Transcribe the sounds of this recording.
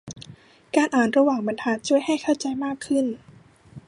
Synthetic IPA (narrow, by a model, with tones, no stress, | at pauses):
kaː˧nʔaː˨˩nɾa˧waː˨˩ŋma˨˦nt̪ʰaː˧˥n̚t͡ɕʰu˥˩əjɦa˥˩jkʰa˥˩wt͡ɕa˧jmaː˥˩kʰːɯ˥˩n